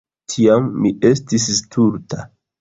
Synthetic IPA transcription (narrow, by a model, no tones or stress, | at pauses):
tʰiamːiʔe̞stis̬stʰuɾtʰa